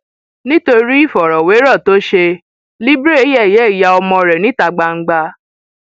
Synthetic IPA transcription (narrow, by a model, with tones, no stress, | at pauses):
nĩ˦to˧ɾi˦i˦˨fɔ˨ɾɔ˨we˨˦ɾɔ˦˨to˦ʃe˧ | li˦bɾe˦˨˦jɛ˦˨jɛ˨˦˨ja˧ɔ˧mɔ̃˧ɾɛ˨nĩ˦ta˧ɡ͡ba˧ŋ̩˦ɡ͡ba˧